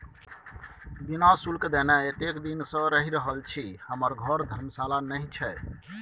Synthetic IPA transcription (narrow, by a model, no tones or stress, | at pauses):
binasulkd̪enɛet̪ekd̪insə̃ɾəɦiɾəɦəlt͡ʃʰihəməɾɡʱəɾd̪ʱəɾmsalanəɦĩt͡ʃʰɛ